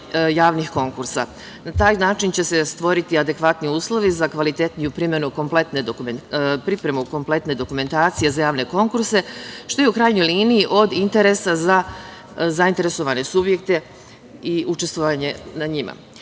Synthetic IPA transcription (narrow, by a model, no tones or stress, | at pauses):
jaːʋnixko̞ŋkuɾsa | nat̪aːjnaːt͡ʃint͡ɕe̞se̞st̪ʋo̞ɾit̪iad̪e̞kʋat̪niuːslˠo̞ʋizakʋalit̪e̞t̪nijupɾiːmjenuko̞mplˠe̞t̪ne̞d̪okumenpɾipɾe̞muko̞mple̞t̪ne̞d̪o̞kume̞nt̪aːt̪sije̞zajaːʋne̞ko̞ŋkuɾse̞ʃt̪o̞jeukɾaːjɲo̞jliːniiʔo̞d̪int̪e̞ɾe̞saza | zaint̪e̞ɾe̞so̞ʋane̞subje̞kt̪e̞ | iʔut͡ʃe̞st̪ʋo̞ʋaɲe̞naɲima̰